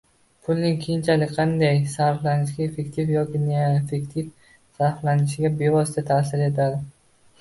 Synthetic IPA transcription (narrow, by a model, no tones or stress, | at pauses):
pʰʊlnɪŋkʲʰejɪnt͡ʃʰalɪkʲqʰɑnd̪ajsaɾflanɪʃɪɡʲaefe̞kt̪ʰifjɒkʲɪneefe̞kʲt̪ʰif | saɾflanɪʃɪɡʲabe̞vɒsɪt̪ʰat̪ʰas̬ɪɾe̞t̪ʰad̪ɪ